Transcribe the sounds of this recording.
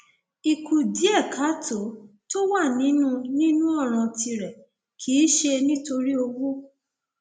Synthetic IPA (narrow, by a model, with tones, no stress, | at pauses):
i˨ku˨di˨˦ɛ˦˨kʰa˨˦tʰo˨˦ | to˦wa˦˨nĩ˨˦nũ˦nĩ˦nũ˦ɔ˦˨ɾ̃ã˨ti˧ɾɛ˨ | kʰi˨˦ʃe˧nĩ˦to˧ɾi˦o˧wu˦